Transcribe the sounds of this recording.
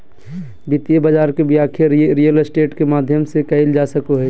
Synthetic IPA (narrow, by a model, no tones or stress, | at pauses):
bɪt̪jebəd͡ʒaːɾkebʱiaːkʰɪɾɾijəlsʈeːʈkemaːd̪ʱjəmsekɐɪld͡ʒaːsəkoɦɛː